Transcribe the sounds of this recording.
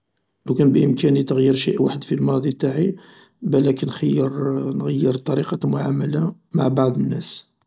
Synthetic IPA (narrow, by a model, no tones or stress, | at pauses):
lukænbʔəmkænit̪əɣjəɾʃḭʔwaħəd̪filmɑd̪ˤit̪aʕi | bælækənxəjːəɾnɣəjːəɾt̪ˤːɑɾiqɑmʊʕamːæla | ma̰ʕbɑʕd̪ˤənːæs